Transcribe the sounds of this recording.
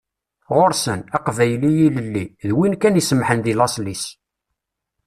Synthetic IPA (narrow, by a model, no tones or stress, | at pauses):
ʁoɾsənæqvæjlijiləlːiðwinkænisəmħənd̪ilɑslis